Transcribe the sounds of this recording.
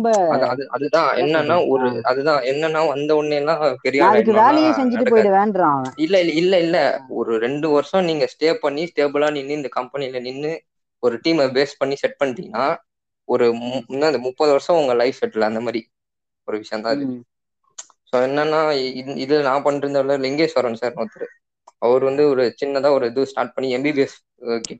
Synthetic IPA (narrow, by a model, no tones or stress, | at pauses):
mbɐɐðɐðɯɐðɯt̪ãːɛ̰nːɐnːaːɔɾɯɐðɯt̪ãːɛnːɐnːãːɐnd̪ɐɔɳːɛjɐlːãːpɛɾɪjaːɐðk̬ːɯʋeːlɛjẽsɛɲd͡ʒɪɐʈːɯpoːjɽɯʋeːɳɖɾãːŋɐɪlːɐɪɪlːɐɪlːɛɔɾɯɾɛɳɖɯʋɐɾsɔ̃niːŋɡɐsʈeːpːɐɳːisʈeːbɯlaːnɪnːɯɪnd̪ɐkɐmpɐnɪlɐnɪnːɯ | ɔɾɯʈiːmbeːspɐɳːisɛʈ̚pɐɳːɪt̪ĩŋɡɐnaː | ɔɾɯnːaːɪnd̪ɐmʊpːɐːðɯʋɐɾsɐ̃ʊŋɡɐlɐɪʋsɛʈːlːɐɐnd̪ɐmaːd̪ɾi | ɔɾɯʋɪʂɐjɐ̃nt̪ãːɪðɯkː | soːɛnːɐnːãːɪɪðɯlnãːpɐɳːɪɾɯnd̪ɐʋlɐɾlɪŋɡeːsɐrːɐɳsaːɾnoːt̪ːɐɾɯ | ɐʋɐɾɯʋɐnd̪ɯɔɾɯt͡ʃɪnːɐt̪ãːɔɾɯɛðɯsʈaːɾʈ̚pɐɳːiɛmbibeːs | kːɪ